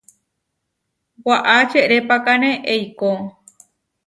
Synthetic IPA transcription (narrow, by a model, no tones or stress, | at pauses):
waʔat͡ʃeɾepakanẽʔejko